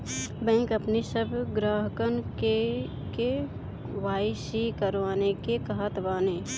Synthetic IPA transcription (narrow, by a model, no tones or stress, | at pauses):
bɛ̃ːŋkɐpnisəbʱɡɾaːɦkənke | ke | ʋaːisikəɾʋaːnekekəɦət̪ʋaːneː